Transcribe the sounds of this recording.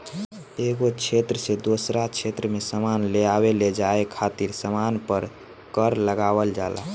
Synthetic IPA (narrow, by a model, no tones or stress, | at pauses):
eɡot͡ʃʰet̪ɾəsed̪osɾat͡ʃʰet̪ɾəmesəmanleaβeled͡ʒaekʰat̪iɾsəmanpəɾ | kəɾləɡaβəld͡ʒala̰